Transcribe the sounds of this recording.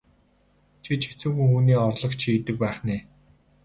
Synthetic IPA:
t͡ɕʰit͡ɕʰe̥t͡sŭŋxujxuːniːɔrɮɞ̆kt͡ɕʰiːt̪ɘ̆k̚pæːχneː

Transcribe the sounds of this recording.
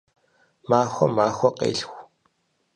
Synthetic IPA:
maːxʷɔmaːxʷɔqḛːɬxʷ

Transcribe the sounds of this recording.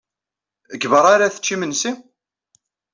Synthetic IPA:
əɡvəɾˤaɾaθə̥t͡ʃːimənsi

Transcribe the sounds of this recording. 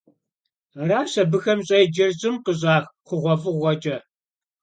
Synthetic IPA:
raːɕɐbɨxɐmɕʼɐjd͡ʒɐrʑʼɪmqəʑ̬ʼaːxχʷʊʁʷɔfʼɨʁʷɔd͡ʒʼɐ

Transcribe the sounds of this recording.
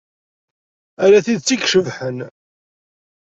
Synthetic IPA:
æɾæθiðt͡sːikʃəvħən

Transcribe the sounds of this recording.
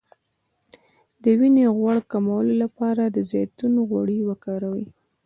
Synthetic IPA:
d̪əwineɣwaɽkamawəlolapɑɾad̪əzɑjt̪unoɣwa̰ɽiwəkɑɾawi

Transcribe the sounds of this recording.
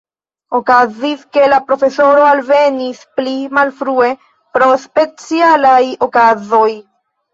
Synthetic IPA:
okaziske̞lapɾo̞fe̞so̞ɾo̞alve̞nisplimalfɾue̞ | pɾo̞spe̞t͡sialajo̞kazo̞j

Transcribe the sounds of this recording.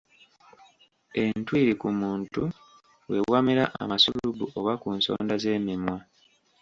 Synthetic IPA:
e̞ntwiːɾikumuːntu | we̞wamiɾaʔa̰masullubuʔo̞βakuːnso̞̰ːndaze̞ːmimwa

